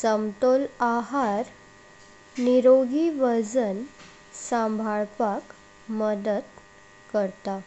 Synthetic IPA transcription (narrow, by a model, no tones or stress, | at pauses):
səmt̪olaɦaɾ | niɾoɡiʋəd͡zən | sãmbʱaɭpak | məd̪əd̪ | kəɾt̪a